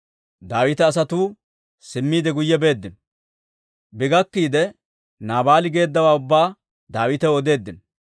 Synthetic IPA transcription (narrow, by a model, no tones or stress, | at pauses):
d̪aːwɪt̪ɛːs̬ɐt̪uː | sɪmːiːd̪ɛɡʊjːɛbe̞ːd̪ːɪn | bɪɡɐkːiːd̪ɛ | naːbaːlɪɡe̞ːd̪ːɐwaːʊbːaː | d̪aːwɪt̪ɛɔd̪e̞ːd̪ːɪn